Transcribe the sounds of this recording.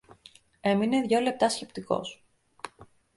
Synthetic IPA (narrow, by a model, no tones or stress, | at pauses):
e̞mine̞ðʝo̞lep̚t̪ɐsçe̞pt̪iko̞̰s